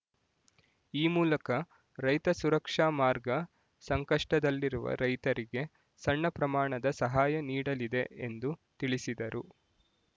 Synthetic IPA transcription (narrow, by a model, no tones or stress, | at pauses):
iːmuːlɐkɐ | ɾɐjt̪ɐsuɾɐkʂaːmaːɾɡɐ | sɐŋkɐʂʈɐd̪ɐlːiɾuʋɐ̰ɾɐjt̪ɐɾiɡe̞ | sɐɳːɐpɾɐmaːɳɐd̪ɐsɐɦaːjɐniːɽɐlid̪e̞end̪ut̪iɭisid̪ɐɾu